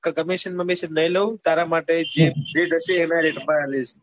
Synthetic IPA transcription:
kəkəmiʃənməmiʃəɾnəɦĩləʋũt̪aɾamaʈed͡ʒeɾeʈɦəʃeːnaɾeʈmãalet͡ʃe

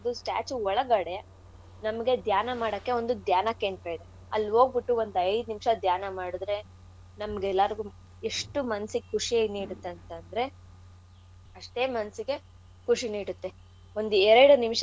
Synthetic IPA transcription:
ɐd̪usʈa̰ːt͡ʃuɔɭɐɡɐɽe̞ | nɐmɐɡe̞d̪jaːnɐmaːɽɐkːe̞o̞nd̪ud̪jaːnɐkːeːnt̪ɾɐːjid̪e | ɐ̰lːɦo̞ːɡ̚biʈːuo̞nd̪ɐjd̪unimʂɐd̪jaːnɐmaːɽud̪ɾe̞ | nɐmɐɡɛlːɐɾiɡu | eʂʈumɐnɐsiɡekʰuʂieniːɽut̪ːeɐnt̪ɐnd̪ɾe̞ | ɐʂʈe̞ːmɐnɐsiɡe̞ | kuʂiniːɽut̪ːe̞ | o̞nd̪uɛɾɐɽunimʂɐ

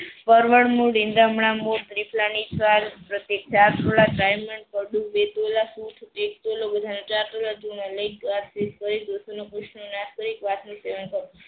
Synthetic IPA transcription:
pəɾʋəɽmũɖind̪amɽamot̪ɾipʰlanit͡ʃʰʋalpɾət̪jek̚t͡ʃaɾt̪olaʈɾajməɳkəɖũʋet̪olasut̪ʰʈek̚t̪olobəd̪ʱanot͡ʃaɾt̪olat̪unaləikat̪seskəɾid̪osonokɾuʃnonaskəɾikʋat̪niseʋənkəɾ

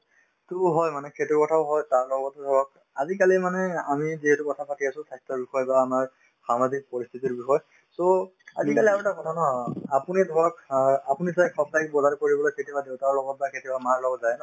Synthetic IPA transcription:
tuɦɔjmanɛkʰetukɔtʰaʊɦɔjtaɹlɔɡɔtɛd̪ʱɔɹɔk̚ | azik̬alimanɛamiziɦetukɔtʰapatʰiasʊ̃sʰastɔɹbixɔjbaːmaɹ | samazʱik̚pɔɹist̪ʰitiɹbixɔj | soazikaliaɹutakɔnɔnɔapunidʱɔɹɔkapunisajkʰɔp̚dajkbɔzaɹkoɹibɔlojketibadewtaɔlɔɡɔt̚baketibamaɹlɔɡɔtzajnɔ

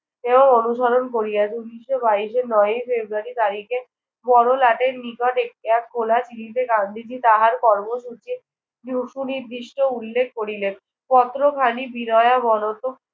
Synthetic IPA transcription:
eboŋonuʃaɾonkoɾijad͡ʑuniʃobaiʃenɔjojfebɾuaɾit̪aɾike | bɔɽolaʈeɾnikɔʈek̚ʈeak̚kʰolat͡ɕilit̪ekand̪ʱid͡ʑit̪aɦaɾkɔɾmoʃut͡ɕi | nuʃuniɾd̪iʃʈoulːekʰkoɾilen | pɔt̪ɾokʰanibinɔeabɔnot̪o

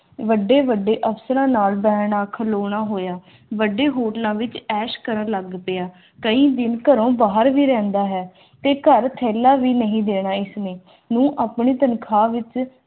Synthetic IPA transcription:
ʋəɖːeːʋəɖːeːʔəpsəɾãːnaːlbɛːɳaːkʰəloːɳ̃aːɦoːjaː | ʋəɖeːɦoːʈlãːʋɪt͡ʃɛːʃkəɾəɳləɡpɪjaː | kəĩːd̪ɪnkəɾõːbaːɦəɾʋiːɾɛ̃ːnd̪aːɦɛː | t̪eːkəɾt̪ʰɛːlːaːʋiːnəɦĩːd̪eːɽaːɪsnẽː | nũːʔaːpɳiːt̪ənkʰaːʋɪt͡ʃ

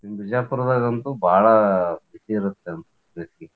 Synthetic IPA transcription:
imbid͡ʒaːpuɾɐd̪ɐɣɐnt̪ubʱaːɭɐbisiːɾut̪ːeɐnt̪ɐ | ɾisi

